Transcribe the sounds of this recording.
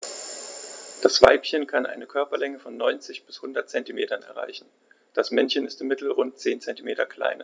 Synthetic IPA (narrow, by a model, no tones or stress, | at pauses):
d̥asv̥a̰ɪpçənkʰanʔa̰ɪnəkʰœɐpɐlɛŋəfɔnːɔʏnt͡sɪçb̥ɪshʊndɐtt͡sɛntimeːtɐnɛ̰ɐʁ̞a̰ɪçn̩ | d̥asmɛnçənɪstɪmɪtl̩ʁʊnt̚t͡seːnt͡sɛntimeːtɐkʰl̥a̰ɪnɐ